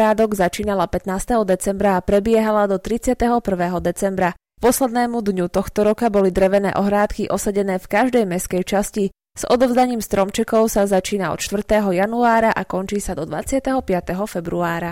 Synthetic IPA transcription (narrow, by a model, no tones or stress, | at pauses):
ɾaːd̪ɔɡzat͡ʃiːnalapɛt̪naːst̪ɛɦɔd̪ɛt͡sɛmbɾaːpɾɛbɪɛɦalad̪ɔt̪ɾit͡sɪat̪ɛɦɔpr̩ʋɛːɦɔd̪ɛt͡sɛmbɾa | pɔslɛd̪nɛːmud̪ɲut̪ɔxt̪ɔɾɔkabɔlid̪ɾɛʋɛnɛ̰ːʔɔɦɾaːt̪kiʔɔsaɟɛnɛːfkaʒd̪ɛjmɛskɛjt͡ʃasci | z̥ɔ̰d̪ɔvzd̪aɲiːmst̪ɾɔmt͡ʃɛkɔʊsazat͡ʃiːnaɔ̰t̪ʃt̪ʋr̩t̪ɛːɦɔjanuaːɾaʔakɔnt͡ʃiːsad̪ɔd̪ʋa̰t͡sɪat̪ɛɦɔpɪat̪ɛɦɔfɛbɾuaːɾa